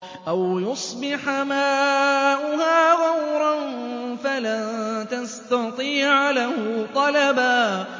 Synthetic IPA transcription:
ʔawjʊsˤbɪħmaːʔʊɦaːɣɑwɾˤɑnfalat̪ast̪ɑt̪ˤiːʕlahʊt̪ˤɑlabaː

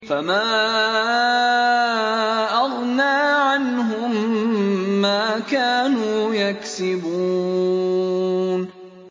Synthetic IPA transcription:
famaː | ʔɑɣnaːʕanɦʊmː | aːkaːnuːjaksɪbuː | n

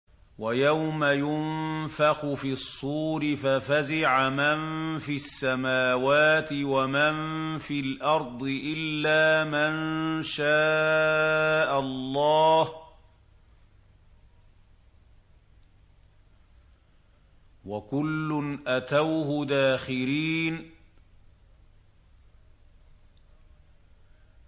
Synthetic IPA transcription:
wajawmajʊnfɑxʊfiːsˤːuːɾɪfafazɪʕamanfiasːamaːwaːt̪ɪwamanfiːlʔɑɾˤd̪ˤɨʔɪlːaːmanʃaː | ʔallˤːɑːh | wakʊlːʊnʔat̪awɦʊd̪aːxɪɾiːn

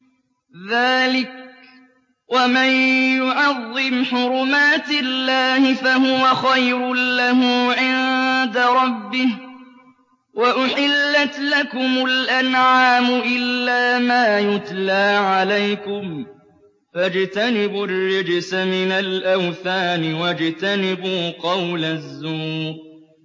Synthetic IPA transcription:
ðaːlɪk̚ | wamanjʊʕɑðˤːɪmħʊɾʊmaːt̪ɪlːaːhɪfaɦʊwaxajɾʊːahʊːʕɪnd̪aɾˤɑbːɪh | waʔʊħɪlːat̪lakʊmʊlʔanʕaːmʊʔɪlːaːmaːjʊt̪laːʕalajkʊm | fad͡ʒt̪anɪbʊrːɪd͡ʒsamɪnalʔawθaːnɪwad͡ʒt̪anɪbuːqɑwlazːuːq̚

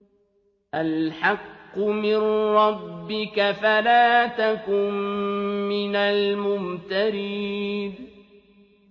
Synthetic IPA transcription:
ʔalħɑqːʊmɪnɾˤɑbːɪkafalaːt̪akʊn | mɪnalmʊmt̪aɾɪd̪

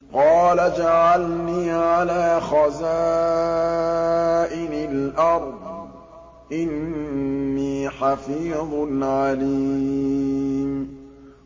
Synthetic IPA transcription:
qɑːlad͡ʒaʕalniːʕalaːxaza | ʔɪnɪlʔɑɾˤd̪ˤ | ʔɪnː | iːħafiːðˤnʕali | m

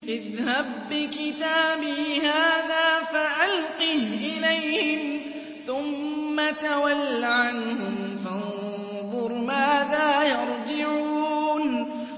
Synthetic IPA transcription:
ʔɪðhab̚ːɪkɪt̪aːbɪhaːðaːfaʔalqiːʔɪlajhɪm | θʊmːat̪awalːaʕanhʊmfɑn | ðˤʊɾmaːðaːjɑɾˤd͡ʒɪʕuːn

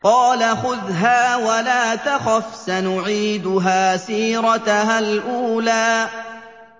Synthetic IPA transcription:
qɑːlaxʊðɦaːwalaːt̪axafsanʊʕiːd̪ʊɦaːsiːɾˤɑt̪halʔuːlaː

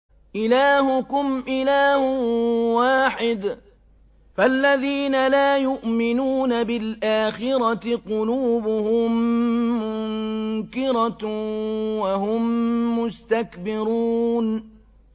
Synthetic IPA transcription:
ʔɪlaːhʊkʊmʔɪlaːhwaːħɪd̪ | falːaðiːnalaːjʊʔmɪnuːnabɪlʔaːxɪɾˤɑt̪ɪqʊluːbʊhʊmː | ʊŋkɪɾˤɑ | waɦʊmːʊst̪akbɪɾuːn

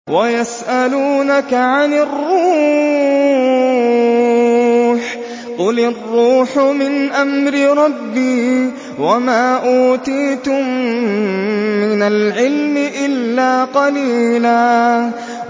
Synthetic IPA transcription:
wajasʔaluːnakaʕanɪrːuː | ħ | qʊlarːuːħʊmɪnʔamɾɪɾˤɑbːiː | wamaːʔuːt̪iːt̪ʊm | ɪnalʕɪlmɪʔɪlːaːqɑliːlaː

